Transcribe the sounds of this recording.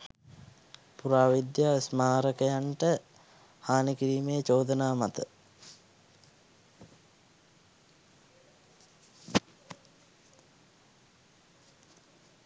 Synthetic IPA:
puɾaːʋid̪jaːsmaːɾəkəjaɳʈə | haːnikiɾiːmejət͡ʃoːd̪ənaːmat̪ə

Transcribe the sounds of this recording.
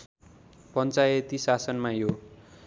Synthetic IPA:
pʌnt͡sajet̪isasʌnmajo

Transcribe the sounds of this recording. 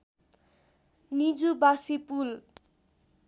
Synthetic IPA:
nid͡zubasipul

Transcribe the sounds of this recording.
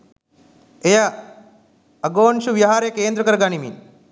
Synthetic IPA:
eja | ɐɡoːnʃuʋiɦaːɾjɐkeːnd̪ɾɐkɐɾɡanimḭn

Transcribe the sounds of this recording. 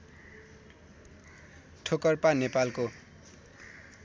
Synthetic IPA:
ʈʰokʌrpanepalko

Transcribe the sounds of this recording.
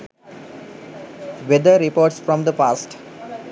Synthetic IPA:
ʋed̪əɾipoːʈsfɾɔ̃md̪əpaːsʈ

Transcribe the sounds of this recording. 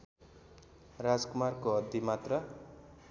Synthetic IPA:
rad͡zkumarkoɦʌd̪imat̪rʌ

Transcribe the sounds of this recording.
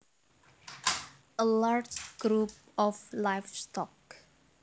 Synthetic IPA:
əlaɹd͡ʒɡ̥ɾup̚ | ɔflaɪfstɔk

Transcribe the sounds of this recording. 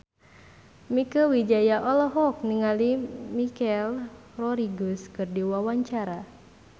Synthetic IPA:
mikəwid͡ʒajaʔɔlɔɦɔk̚niŋalimikɛl | rɔɾiɡuskɨrdiwawaɲt͡ʃaɾa

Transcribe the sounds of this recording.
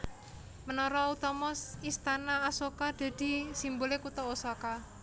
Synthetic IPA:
mənɔɾɔut̪ɔmɔsist̪anaːsokad̪̥a̤d̪̥i̤simbolekut̪ɔosɔka

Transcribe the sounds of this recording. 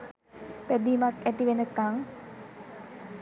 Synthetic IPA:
pæd̪iːmakæt̪iʋenəkaŋ

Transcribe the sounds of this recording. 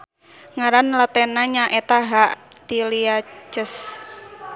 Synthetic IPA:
ŋaɾanlat̪ɛnaɲaʔet̪aɦaʔ | t̪iliat͡ʃəs

